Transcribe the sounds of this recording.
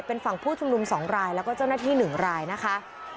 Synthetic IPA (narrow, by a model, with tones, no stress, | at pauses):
pe˧nfa˨˩ŋpʰuː˥˩t͡ɕʰu˧mnu˧msɔː˩˦ŋɾaː˧jlɛː˦˥wkɔː˥˩t͡ɕa˥˩naː˥˩t̪ʰiː˥˩nɯ˨˩ŋɾaː˧jna˦˥kʰa˦˥ʔ